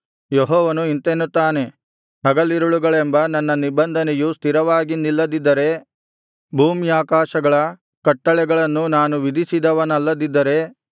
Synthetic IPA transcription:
jɔɦɔːʋɐnuint̪enːut̪ːaːne̞ | ɦɐɡɐlːiɾuɭuɡɐɭembɐnɐnːɐnibɐnd̪ʱɐnɛjust̪ʰiɾɐʋaːɡinilːɐd̪id̪ːɐɾe̞ | bʱuːmiaːkaːʃɐɡɐɭɐ | kɐʈːɐɭɛɡɐɭɐnːunaːnuʋid̪ʱisid̪ɐʋɐnɐlːɐd̪id̪ːɐɾe̞

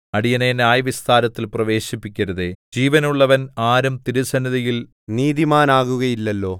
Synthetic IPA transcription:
ɐɽijɐnenjaːjɐʋist̪ʰaːɾɐt̪ːilprɐʋe̞ːɕipːikʲːɐɾɐðed͡ʑiːʋɐnuɭːɐʋɐnaːɾumt̪iɾusɐniðɐjil | niːðimaːnaːɣuɣɐjilːɐlːo̞ː

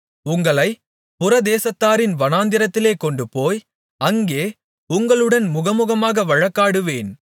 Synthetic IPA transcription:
ʊŋɡɐɭɐɪ | pʊɾɐd̪eːsɐt̪ːaːɾɪnʋɐnaːnd̪ɪɾɐt̪ːɪleːkɔɳɖɯpoːj | ɐŋɡeː | ʊŋɡɐɭɯɽɐnmʊɣɐmʊɣɐmaːɣɐʋɐɻɐkːaːɽɯʋeːn

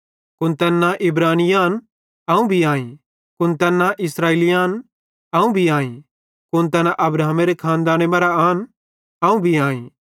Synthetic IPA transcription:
kʊnt̪ɛːnːãʔɪbɾaːnɪjaːn | aːũbʱiaːĩ | kʊnt̪ɛːnːãʔɪsɾaːeːlijaːn | aːũbʱiãːĩ | kʊnt̪ɛːnãʔɐbɾaːmeɾekʰãːnd̪aːñemaːɾaaːn | aːũbʱiãːĩ

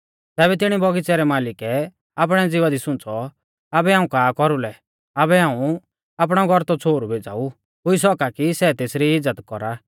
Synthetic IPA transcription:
t̪ɛːbɛt̪ɪɽ̃ibɔɡit͡sɛɾɛmaːlɪkɛ | aːp̬ɽ̃ɛd͡zɪʋad̪isʊ̃nt͡sɔ | abɛɦaːũkaːkɔɾulɛ | abɛɦãːũ | aːp̬ɽ̃ɔɡʱɔɾt̪ɔt͡sʰoːɾubʱeːd͡za̰ːu | ɦʊis̬ɔkakisɛt̪eːsɾiɪd͡zːət̪kɔɾa

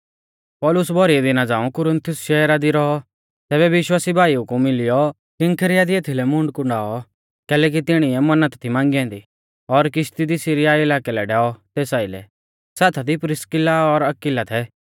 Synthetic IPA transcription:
pɔːlʊsbʱɔɾiɛd̪ɪnad͡zaːũkʊɾə̃nt̪ʰʊsʃɛːɾad̪iɾɔɦɔ | t̪ɛːbɛʋɪʃwaːsibʱaːiukumɪlɪjɔ | kɪ̃ŋkʰəɾɪjad̪ieːt̪ʰilɛmʊ̃ɳɖkʊ̃ɳɖaːɔ | kɛːlɛːk̬it̪ɪɽ̃iɛmɐnət̪t̪ʰimãːŋɡiɛ̃ːnd̪i | ɔɾkɪʃt̪id̪isiɾijaɪlaːkɛlɛɖɛːɔt̪eːsaːilɛ̰ | sɛːt̪ʰad̪ipɾɪskɪlaɔɾɐkɪlat̪ʰɛ

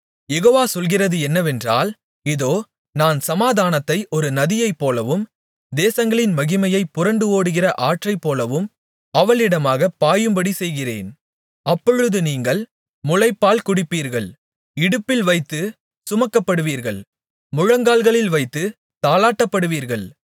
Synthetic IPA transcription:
jɛɣoːʋaːsɔlɣɪrɐðɯɛnːɐʋɛndra̰ːl | ɪðoː | naːnsɐmaːðaːnɐt̪ːɐɪʔɔɾɯnɐðɪjɐɪpːoːlɐʋɯm | d̪eːsɐŋɡɐɭɪnmɐɣɪmɐjɐɪpːʊrɐɳɖɯoːɽɯɣɪrɐʔaːʈrɐɪpːoːlɐʋɯm | ɐʋɐɭɪɽɐmaːɣɐpːaːjɯmbɐɽisɛjɣɪrḛːn | ɐpːɔɻɯðɯniːŋɡɐɭ | mʊlɐɪpːaːlkʊɽɪpːiːɾɣɐɭ | ɪɽɯpːɪlʋɐɪt̪ːɯ | sʊmɐkːɐpːɐɽɯʋiːɾɣɐɭ | mʊɻɐŋɡaːlɣɐɭɪlʋɐɪt̪ːɯ | t̪aːlaːʈːɐpːɐɽɯʋiːɾɣɐɭ

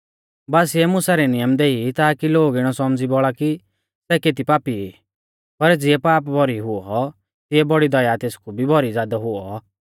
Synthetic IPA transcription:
baːsɪɛmʊsaɾɛnɪjəmd̪eːit̪aːkiloːɡɪɽ̃ɔsɔmd͡zibɔɭaki | sɛkeːt̪̬ipaːpi | pɐɾd͡zɪɛpaːp̬bʱɔɾiɦʊɔ | t̪ɪɛbɔɽid̪ɐjaːt̪eːskʰubʱibʱɔɾid͡zjaːd̪aɦʊɔ

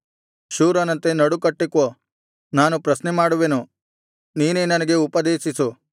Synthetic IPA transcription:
ʃuːɾɐnɐnt̪e̞nɐɽukɐʈːikːoː | naːnupɾɐsnemaːɽuʋenu | niːneːnɐnɐɡe̞upɐd̪eːʃisu

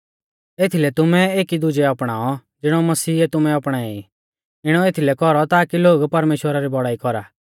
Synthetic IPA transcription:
eːt̪ʰilɛt̪ʊmɛeːkid̪ʊd͡ʒɛɔpɽ̃aːɔ | d͡zɪɽ̃ɔmɐsiːɛt̪ʊmɛɔpɽ̃aːɛi | ɪɽ̃ɔeːt̪ʰilɛkɔɾɔt̪aːkiloːɡpɐɾmeːʃwəɾaɾibɔɽ̤aːikɔɾa̰ː

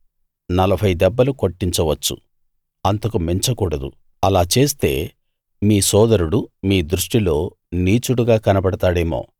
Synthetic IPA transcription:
nɐlɐbʰʱɐjd̪ɛbːɐluko̞ʈːiɲt͡ʃɐʋɐt͡ʃːṵ | ɐnt̪ɐkumeɲt͡ʃɐkuːɽɐd̪ṵ | ɐlaːt͡ʃe̞ːst̪e̞ː | miːsɔːd̪ɐɾuɽumiːd̪ɾuʂʈilo̞ː | niːt͡ʃuɽuɡaːkɐnɐpɐɽɐt̪aːɽeːmo̰ː

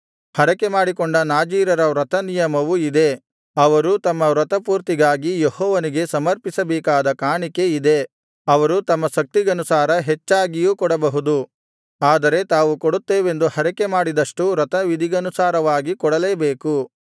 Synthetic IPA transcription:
hɐɾɐke̞maːɽikɔɳɖɐnaːd͡ʒiːɾɐɾɐʋɾɐt̪ɐnijɐmɐʋuid̪e̞ | ɐʋɐɾut̪ɐmːɐʋɾɐt̪ɐpuːɾt̪iɡaːɡijehɔːʋɐniɡe̞sɐmɐɾpisɐbeːkaːd̪ɐkaːɳike̞id̪e̞ | ɐʋɐɾut̪ɐmːɐʃɐk̚t̪iɡɐnusaːɾɐɦet͡ʃːaːɡijuːkɔɽɐbɐɦud̪u | aːd̪ɐɾe̞t̪aːʋukoɽut̪ːeːʋe̞nd̪uhɐɾɛke̞maːɽid̪ɐʂʈuɾɐt̪ɐʋid̪iɡɐnusaːɾɐʋaːɡikɔɽɐleːbeːku

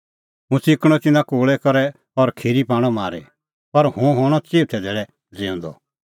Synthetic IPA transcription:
ɦũsɪkɽ̃ɔt̪ɪnãkoːɭɛkɔɾɛ | ɔɾkʰiːɾipaːɽ̃ɔmaːɾḛ | pɐɾhũɦɔːɽ̃ɔt͡seːt̪ʰɛd̪ɛːɭɛ | d͡zẽʊ̃nd̪ɔ̰

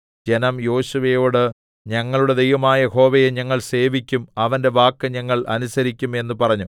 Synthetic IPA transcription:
d͡ʑe̞nɐmjo̞ːɕuʋejo̞ːɽɨ | ɲɐŋːɐɭuɽe̞d̪ejʋɐmaːjɐho̞ːʋejeɲɐŋːɐɭse̞ːʋikʲːumɐʋɐnde̞ʋaːkːɨɲɐŋːɐɭɐnusɐɾikʲːume̞nːupɐrɐɲːu

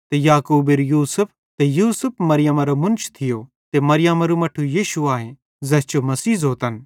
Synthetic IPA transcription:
t̪ejaːkuːbɪɾjuːsʊp̚ʰ | t̪ejuːsʊp̚ʰmɐɾɪjɐmɐɾomʊ̃nt͡ʃʰt̪ʰɪjo | t̪emɐɾɪjamɐɾumɐʈʰujiːʃuaːɦẽ | zɛst͡ʃomɐsiːzoːt̪ɐn

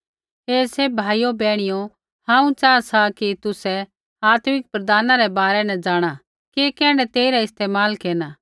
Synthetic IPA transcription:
ɦeːsebʱaːijobɛːɽ̃ɪjo | hãːũt͡ʃaːasakit̪ʊsɛ | aːt̪mɪk̚pɾɐd̪aːnaɾɛbaːɾɛnɛ̃d͡ʒaːɽ̃a | keːkɛ̃ːɽ̃ɛt̪eːiɾaɪst̪eːmaːlkeːnaː

